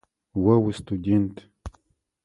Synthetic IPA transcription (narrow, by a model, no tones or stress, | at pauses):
wɐwɨst̪ʰudʲent̪ʰ